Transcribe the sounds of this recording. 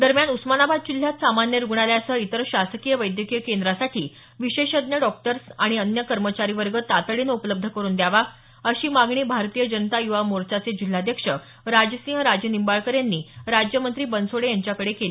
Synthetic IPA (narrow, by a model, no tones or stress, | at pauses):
d̪əɾmjanusmanabad̪̚d͡ʑil̤jat̪samanjəɾuɡɳ̃aljasəit̪əɾɕasəkijəʋəjd̪jəkijəkend̪ɾasaʈʰiː | ʋiɕeɕəd̪njəɖɔk̚ʈəɾsaɽ̃iənjəkəɾmət͡ɕaɾiʋəɾɡət̪at̪əɭiːnəupələb̚d̪ʱəkəɾuːnd̪jaʋa | əɕiːmaɡɳiːbʱaɾt̪ijəd͡ʑənət̪ajuʋamoɾt͡ɕat͡sed͡ʑil̤ːad̪jəkʂə | ɾad͡ʑəsĩɦəɾad͡ʑjənimbaɭkəɾjanːiːɾad͡ʑjəmənt̪ɾiːbənsoɽejaɲt͡ɕjakəɽekeli